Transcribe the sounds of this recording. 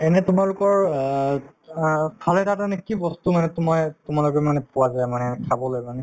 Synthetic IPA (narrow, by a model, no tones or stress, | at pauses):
ɛnɛtʊmalʊkɔɹ | pʰalɛtatanɛkibɔstumanɛtʊmɔjtʊmalʊkɛmanɛpʊwazajmanɛkʰabɔlojmanɛ